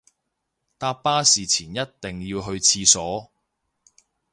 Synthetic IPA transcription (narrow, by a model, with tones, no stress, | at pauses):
t̪aː˧pːaː˥siː˨t͡sʰiː˨˩njɐ˥t̚t̪ɪ˨˩ŋjiː˧wɦɵ˧ɥt͡sʰiː˧sɔː˨˥